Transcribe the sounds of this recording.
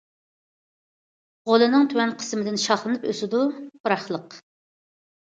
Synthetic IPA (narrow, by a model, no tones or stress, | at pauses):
ʁolˠɨnɨŋt̪ʰywɛnqʰə̥smɪd̪ɪnʃɑχlˠɨnɨpøsɪd̪ub̥ɾɑχlˠəq